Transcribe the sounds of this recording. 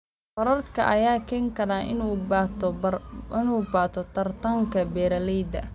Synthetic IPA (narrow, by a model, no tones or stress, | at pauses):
fɐɾɐrkʰɐ̰ʔɐjaːkʰɛːŋkʰɐɾaːʔɪnut̪ɔɪnuːbaːt̪ʰɔt̪ʰɐrt̪ʰaŋkʰɐbɛːɾɐlɛjd̪ɐ̰